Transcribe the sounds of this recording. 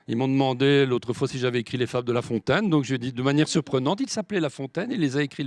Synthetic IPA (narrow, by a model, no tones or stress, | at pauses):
ilmɔ̃d̪əmɑ̃d̪elot̪χəfwasiʒavɛekχilefabd̪əlafɔ̃t̪ɛnd̪ɔ̃kʒed̪id̪əmanjɛʁsyʁpχənɑ̃t̪ilsaplɛlafɔ̃t̪ɛnelːezaekχi